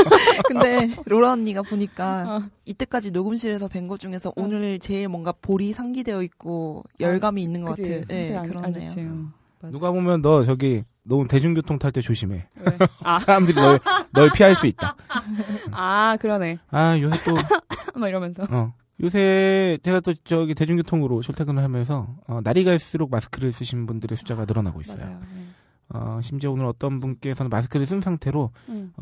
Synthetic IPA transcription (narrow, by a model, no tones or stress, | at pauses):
kɯnde̞ɾoɾʌnːiɡapoɲik͈ait͈e̞k͈ad͡ʑinoɡɯmɕʰiɾe̞sʰʌpe̞ŋɡʌd͡ʑuŋe̞sʰʌʔonɯɾt͡ɕe̞iɭmwʌnɡapoɾisʰaŋɡide̞jʌik̚k͈ojʌɭɡamiːnːɯnɡʌkk͈attʰejojʔekɯɾʌnḛ | nuɡabomjʌnːʌt͡ɕʌɡi | nʌmute̞d͡ʑuŋɡjotʰoŋtʰaɭt͈et͡ɕoɕʰime̞ | sʰaɾamdɯɾinʌenʌepʰiɦaɭs͈uit̚t͈a | akɯɾʌneajosʰet͈o | iɾʌmjʌnsʰʌʌ | josʰe̞t͡ɕe̞ɡat͈ot͡ɕʌɡite̞d͡ʑuŋɡjotʰoŋɯɾot͡ɕʰoɭtʰeɡɯɾɯɭɦamjʌns̬ʰʌʌnaɾiɡais͈ɯɾok̚masʰɯ̥kʰɯɾɯɭs͈ɯɕʰinbundɯɾesʰu̥d͡ʑ͈aɡanɯɾʌna̰ɡo̰is͈ʌjo̰ | ʌ̰ɕʰimt͡ɕ͈eonɯɾʌt͈ʌnbunk͈eːsʰʌnɯnmasʰɯ̥kʰɯɾɯɭs͈ɯnsʰaŋtʰe̞ɾoʌ